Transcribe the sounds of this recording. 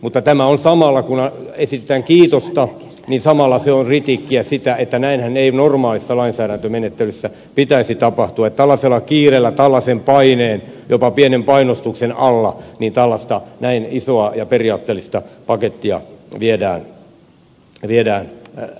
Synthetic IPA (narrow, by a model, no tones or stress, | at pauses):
mut̪ːɑt̪æmæonsɑmɑlːɑkunɑesit̪ĕt̪æːŋkiːt̪ost̪ɑninsɑmɑlːɑseonrit̪ikːiæsit̪æet̪ːænæinhæneinormɑːlisːɑlɑinsæːɾænt̪ømenet̪ːelysːæ | pit̪æisit̪ɑpɑht̪uɑet̪t̪ælːɑselːɑkiːrelːæt̪ɑlːɑsempɑineːnjopɑpienempɑinost̪uksenɑlːɑniːnt̪ælːɑst̪ɑnæinisoɑjɑperiɑːt̪ːeːlːist̪ɑpɑket̪ːiɑ̰ʋiedæːn | ʋiedæːn